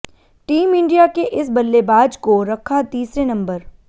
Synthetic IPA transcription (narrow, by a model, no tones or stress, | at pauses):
ʈiːmɪ̃ɳɖijakeʔɪs̬bɐlːebaːd͡ʒkoɾɐkʰːat̪iːsɾenɐ̃mbəɾ